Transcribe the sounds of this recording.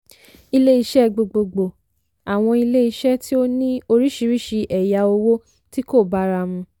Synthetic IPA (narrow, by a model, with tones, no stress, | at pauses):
i˧le˦i˧ʃɛ˦ɡ͡bo˨ɡ͡bo˨ɡ͡bo˨ | a˨w̃ɔ̃˧i˧le˦i˧ʃɛ˦ti˦o˦nĩ˦o˧ɾi˦ʃi˧ɾi˦ʃi˧ʔɛ˨ja˧o˧wo˦ | ti˦ko˦˨ba˨˦ɾa˧mũ˧